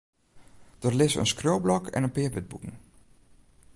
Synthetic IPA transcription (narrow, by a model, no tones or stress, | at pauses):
d̥ərlɪsə̰nskrowblɔkʰɛ̰nənpɪəʋɪd̚butn̩